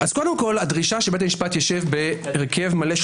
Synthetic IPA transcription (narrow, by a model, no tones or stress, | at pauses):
ʔaz̥ko̞d̪e̞mko̞ladʁiʃaʃebet̪amiʃpat̪jaʃevbe̞ːʁkʰe̞vmale̞ʃ